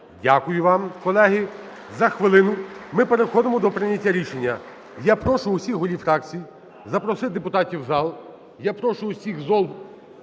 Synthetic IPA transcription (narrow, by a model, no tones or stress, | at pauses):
dʲakʊjʊʋɑmkɔlˠɛɦɪ | zɐxʋɪlˠɪnʊmɪpeɾexɔd̪emɔd̪ɔpɾɪnʲɐtʲːaɾʲiʃenʲːɐ | japɾɔʃʊʊsʲixɦɔlʲifɾɑk̚t͡sʲij | zɐpɾɔsɪd̪epʊt̪ɑtʲiwzɑlˠ | japɾɔʃʊʊsʲixzɔlˠ